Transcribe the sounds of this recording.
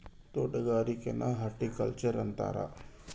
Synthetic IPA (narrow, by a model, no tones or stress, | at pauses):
t̪oːɖəɡaːɾikenʔaɦaɾʈikə̰lt͡ʃəɾɐnt̪a̰ːɾa̰ː